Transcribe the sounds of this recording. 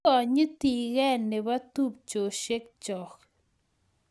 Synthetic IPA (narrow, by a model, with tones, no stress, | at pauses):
ɔ˨ɲi˦t̪i˨ɣɛ˦nːe˨ba˦t̪u˦p̚t͡ʃo˨ʃe˦k̚t͡ʃɔ˨k